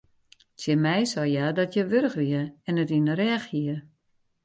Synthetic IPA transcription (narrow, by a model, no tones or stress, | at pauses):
sjɪmɛjsɔjadɔtjəʋørəxʋiəɛnətinəɾɛːxhiə